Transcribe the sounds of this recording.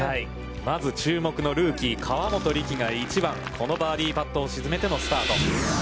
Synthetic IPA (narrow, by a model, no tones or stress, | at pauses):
hai | mazɨt͡ɕɨːmo̞kɯ̟no̞ɾɯ̟ːkʲikʰaβamo̞t̪o̞ɾʲikʲiɡait͡ɕibãŋkʰo̞no̞baːɾʲiːpat̪ːo̞ːɕizɨme̞t̪e̞no̞sɨ̥t̪aːt̪o̞̰